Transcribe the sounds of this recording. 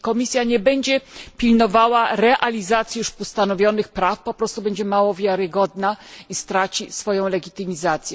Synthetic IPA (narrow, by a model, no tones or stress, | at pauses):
kɔmʲisʲjaɲɛbɛɲd͡ʑɛpʲilnɔvawaɾɛʔalʲizat̪sʲjiuʂpust̪anɔvʲjɔnɘxpɾafpɔpɾɔst̪ubɛɲd͡ʑɛmawɔvʲjaɾɘɡɔd̪naist̪ɾat͡ɕisfɔjɔ̃w̃lɛɡʲit̪ɘmʲizat̪sʲjɛ